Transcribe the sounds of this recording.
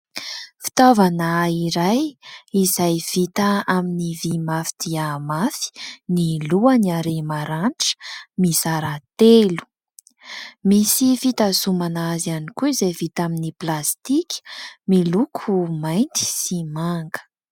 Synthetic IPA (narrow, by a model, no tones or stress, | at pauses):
fi̥t̪ovanaiɾajizajv̥it̪əaminivimafid̪̥iamafi̥niluəniaɾemaɾaɳʈ͡ʂə̥misaɾat̪elu̥ | misifit̪asumanaazanikuizevit̪aminiplast̪ikʲmilukʰumajnt̪i̥simaŋɡə̥